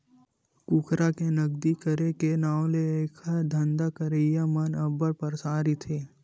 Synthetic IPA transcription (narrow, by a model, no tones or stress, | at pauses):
kukʰɾakenɐɡd̪ikəɾekenaːleeːkʰad̪ʱɐ̃nd̪akəɾəjamənɐbəɾpəɾsaːɾit̪ʰeː